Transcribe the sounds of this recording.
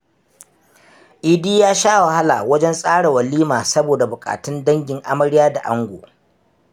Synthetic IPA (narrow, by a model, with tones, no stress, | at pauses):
ʔɪ˨diː˦jaː˦ʃaː˦wa˨ha˦la̰˨wɐ˦d͡ʒɛ˦nsʼaː˦ɽe˨wɐ˨lːiː˦maː˨sɐ˦boː˨da˨bʊ˨kʼa̰ː˨tɪ˦ndɐ˦ŋɡʲɪ˨ŋʔa˦mɐ˦ɽɪ˦jaː˦da˨ʔa˦ŋɡʷo̰ː˨